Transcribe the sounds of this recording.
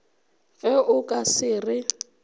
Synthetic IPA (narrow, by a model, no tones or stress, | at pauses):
ɣɛʔʊkʼasɪːrɪ